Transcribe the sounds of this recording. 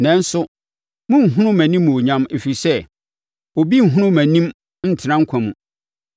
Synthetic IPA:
nɛ̃˨n˦sʊ˦ | mʊ̃˦ŋ̩˨ɦʊ̃˦nʊ̃˦mæ̃˨nĩ˦mːũ˨o˨ɲã˦me˨fi˨sɛ˦ | o˨bi˦ŋ̩˨ɦʊ̃˦nʊ̃˦mæ̃˨nĩ˦m | n̩˦˨tʰɪ˨nã˦ŋ̩˦kʷʰã˨mũ˨

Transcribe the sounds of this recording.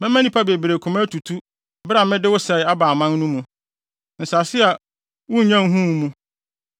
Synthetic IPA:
mɛ̃˦mæ̃˦nĩ˦pʰa˦be˨bi˨ɾe˨kʰʊ˨mã˦tʰu˨tʰu˦ | ba˨mɪ̃˦dɪ˦wʊ˦sɛ˨ɪ˨˦a˦baː˨mã˦n˦nũ˦mũ˨ | n̩˨sa˨sɪ˦a˨ | wʊ˦˨ɲã˦ŋ˦ɦũ˦mũ˦

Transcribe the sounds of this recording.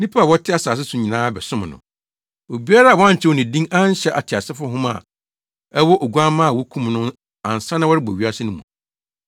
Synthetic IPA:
nĩ˦pʰa˦a˨wɔ˦tʰɪ˦a˦saː˨s̬ɪ˦sʊ̃˨ɲĩ˨nãː˦bɛ˨sʊ̃˦m˨nʊ̰̃˨ | o˨bi˦a˦ɾa˦a˨wɔ˨˦ã˦˨t͡ɕʰɪ˦wɔ˨nɪ̃˨dĩ˦ŋã˦n˦ɕɛ˦ʔa˨tʰɪ˨a˨sɪ˦fʊ˦ɦʊ̃˦ma̰˨ | ɛ˦wɔ˦ʔo˨ɡu˦a˦mã˦a˨wɔ˦kʰũ˦mnʊ̃˦ | ã˨n˨sã˦nã˦wɔ˦ɾɪ˦bɔ̰˨ɥi˨˦a˦sɪ˦nʊ̃˦mṵ̃˨

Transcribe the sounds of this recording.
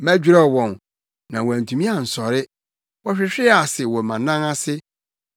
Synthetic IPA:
mæ̃˦d͡ʑᶣɾɛ˦wɔ̃˨n | nã˨wɔ˨æ̃˨ntʰũ˨mĩ˦a˨n̩˨sɔ˨ɾɪ˦ | wɔ˦ɕᶣɪ˦ɕᶣɪ˦a˨sɪ˨wɔ˨mã˨nã˦na˦sɪ˦

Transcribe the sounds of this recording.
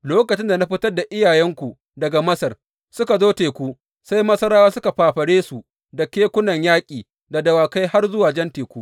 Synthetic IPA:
loː˦kɐ˨t͡ʃɪ˦nda˨na˦ɸɪ˦tɐ˦rda˨ʔɪ˦jaː˨jɛ˦ŋkʷu˨ | dɐ˨ɡa˨mɐ˦sɐ˨r | sʊ˦ka˨zoː˦teː˨kʷu˦ | sa˦jmɐ˦sɐ˦ɾaː˦waː˦sʊ˦ka˨ɸaː˨ɸɐ˨ɽeː˦su˨ | da˨kʲeː˦kʷʊ˦nɐ˨ɲjaː˦kʲʼiː˨ | da˨dɐ˨waː˨ka˦jha˦rzʊ˦waː˨d͡ʒɛ˦nteː˨kʷuː˦ʔ

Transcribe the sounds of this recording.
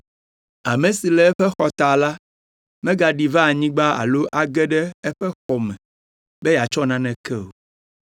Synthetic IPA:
a˨mẽ˨si˨lɛ˦ɛ˦ɸɛ˦xɔ˨t̪a˨la˦ | mɛ̃˦ɡa˨ɖi˨va˦˨ɲĩ˦ɡ͡ba˦a̰˨lo˦ʔa˨ɡɛ˦ɖɛ˦ɛ˦ɸɛ˦xɔ˨mɛ̃˨ | bɛ˦ja˨t͡ʃɔ˦nã˦nɛ̃˨kɛ˦o˨

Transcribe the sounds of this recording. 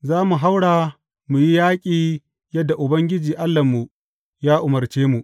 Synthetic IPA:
zaː˦mu˨ɦa˦wɽaː˨ | mu˨ji˦jaː˦kʲʼiː˨ | jɐ˦dːa˨ʔʊ˨bɐ˦ŋɡʲɪ˦d͡ʒiː˨ʔa˦lːɐ˨mːu˨ | jaː˦ʔʊ˨mɐ˨rt͡ʃeː˦mu˨ʔ

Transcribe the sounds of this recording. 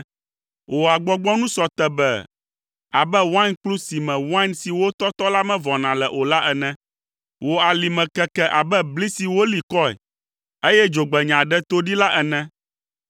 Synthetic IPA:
wʔo˨a˨ɡ͡bɔ˦ɡ͡bɔ˦nũ˦sɔ˨t̪ɛ˨bɛ̰˦ | a˨bɛ˦wa˦nk͡plu˦si˨mɛ̃˨wa˦nsi˨wo˦t̪ɔ˦t̪ɔ˦la˦mɛ̃˦vɔ˨nã˨lɛ˨ʔo˨la˦ʔɛ˨nɛ̃˦ | wo˨a˨li˨mɛ̃˨kɛ˨kɛ˦ʔa˨bɛ˦bli˦si˨wo˦li˨kɔ˦ɛ̰˨ | e˦jɛ˦d͡ʒo˨ɡ͡bɛ˨ɲã˨ɖɛ˦t̪o˦ɖi˦la˦ʔɛ˨nɛ̃˦

